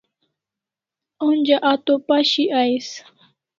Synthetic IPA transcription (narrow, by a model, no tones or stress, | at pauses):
ʊnd͡ʒaʔat̪opaʃɪʔajs